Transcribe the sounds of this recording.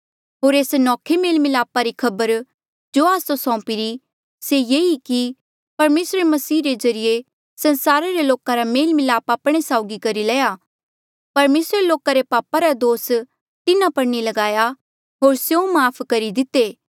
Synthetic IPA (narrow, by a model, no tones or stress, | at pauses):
ɦoːɾeːsnɔːkʰemeːlmɪlaːpaɾikʰɐbəɾ | d͡ʒoːaːsosɔ̃ːpɪɾi | sejeːiki | pɐɾmeːsɾemɐsiːɾezɐɾije | sɐ̃nsaːɾaɾeloːkaɾameːlmɪlaːpaːpɽ̃esaːʊɡikɐɾilɛːja | pɐɾmeːsɾeloːkaɾepaːpaɾad̪oːs | t̪ɪnãpɐɽnilɐɡaːja | ɦoːɾsjõmaːpʰkɐɾid̪ɪt̪ːeː